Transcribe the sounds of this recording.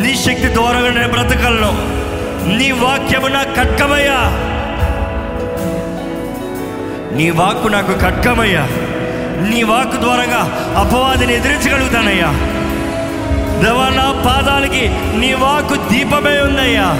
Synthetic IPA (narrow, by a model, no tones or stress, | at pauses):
niːʃɐk̚t̪id̪ʋaːɾɐɡaːneːnɐbɾɐt̪ɐkɐlɐnɐ | niːʋaːkjɐmunaːkːɐʈkɐmɐjːaː | niːʋaːkunaːkukɐʈkɐmɐjːaː | niːʋaːkud̪ʋaːɾɐɡaː | ɐpɐʋaːd̪ɐnied̪iɾint͡ʃɐkɐɽuɡut̪aːnɐjːaː | d̪ɛːʋaːnaːpaːd̪aːliki | niːʋaːkud̪iːpɐmeːund̪ɐjːaː